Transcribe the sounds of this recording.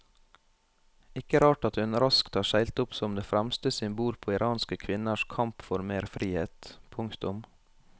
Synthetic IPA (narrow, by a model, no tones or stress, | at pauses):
ɪkəɾɑːʈɑt̪hʉnɾɑskt̪hɑːʃæɪlt̪ʊpsɔmd̪eːfɾæmst̪əsɪmbuːɾpʰoːɪɾʔɑːnskəkʰʋɪnəʃkʰɑmpfɔɾmeːɾfɾiːheːt̪pʰʊŋkt̪ʊm